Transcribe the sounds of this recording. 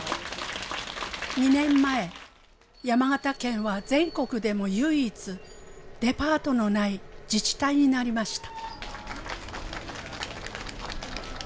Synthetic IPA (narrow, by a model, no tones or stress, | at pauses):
ɲ̟inẽ̞mːae̞ | jamaɡat̪akẽ̞ɰ̃βad͡zẽ̞ŋko̞kɯ̟d̪e̞mo̞jɯiːt͡sɨd̪̥e̞paːt̪o̞no̞naid͡ʑit͡ɕi̥t̪aiɲ̟inaɾʲimaɕi̥t̪ḁ